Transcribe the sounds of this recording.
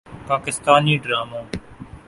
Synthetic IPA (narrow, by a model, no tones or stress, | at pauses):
paːkɪst̪aːniːɖɾaːmaː